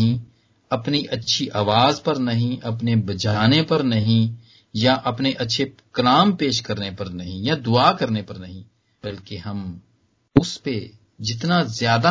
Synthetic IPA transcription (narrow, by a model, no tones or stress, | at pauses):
ĩ | ɐpniʔɐtːʃʰiʔaːʋaːzpɐɾnɐɦĩʔɐpnebɐt͡ʃaːnepɐɾnɐɦĩ | jaʔɐpneʔɐtːʃʰekɐlaːmpeːʃkɐɾnepɐɾnɐɦĩjad̪ʊaːkɐɾnepɐɾnɐɦĩ | bɐlkeɦɐm | ʊspe | d͡ʒɪt̪nazjaːd̪a